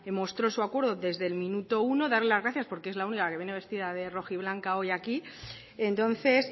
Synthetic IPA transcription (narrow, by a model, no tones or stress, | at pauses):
mo̞st̪ɾo̞suakwe̞ɾðoðe̞zðe̞lmĩnut̪o̞uno̞ðaɾle̞lazɣɾaθjaspo̞ɾkeezlaunikake̞βje̞ne̞βe̞st̪iðaðe̞ro̞xiβ̞laŋkao̞jaki | ent̪o̞nθe̞s